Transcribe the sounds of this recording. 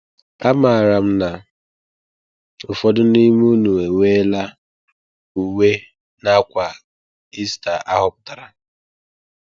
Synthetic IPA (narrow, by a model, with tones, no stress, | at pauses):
a˦ma˨ɾa˨m̩˦na˨ | ʊ˨fɔ˦dʊ˦ni˦m˦u˦nu˨e˨we˦la˦ | u˨we˦ | na˦kʷa˨ | i˦sta˨ʔa˦ɦɔ˦p̚ʊ̥˦ta˨ɾa˨